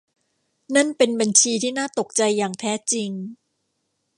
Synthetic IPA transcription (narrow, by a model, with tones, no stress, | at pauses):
na˥˩npe˧nba˧nt͡ɕʰiː˧t̪ʰiː˥˩naː˥˩t̪o˨˩k̚t͡ɕa˧jːaː˨˩ŋt̪ʰɛː˦˥t͡ɕi˧ŋ